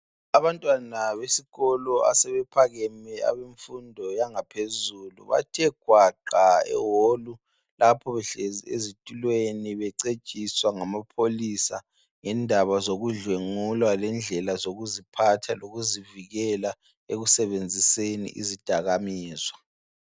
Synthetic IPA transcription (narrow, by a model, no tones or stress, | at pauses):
aβantʼwanaβesiɣɔlɔa̰sɛβɛpʰaɣɛmɛa̰βeɱfundʱɔjaŋapʰezulṵβa̰tʰiɛɡ̥ʱwaǃaɛ̰wolu | lapʰɔβɛɬɛḛzitʼulweniβɛǀe̥t͡ʃʼiswaŋamapʰolisa̰ | ŋɛndʱaβazoɣuɮweŋulwalɛnd͡ɮʱɛlazoɣuzipʰatʰaloɣuziviɣɛla | eɣusɛβend͡zʱisenḭʔḭzid̥ʱaɣamiːzwa